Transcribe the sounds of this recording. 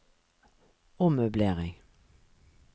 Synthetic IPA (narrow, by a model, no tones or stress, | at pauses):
ɔmøːbleːʁɪŋ